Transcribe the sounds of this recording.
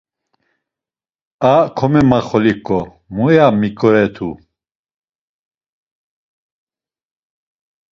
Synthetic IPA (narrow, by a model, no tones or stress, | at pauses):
akʰɔmɛmaχɔlikʼɔ | mujamikʼɔɾɛt̪ʰṵ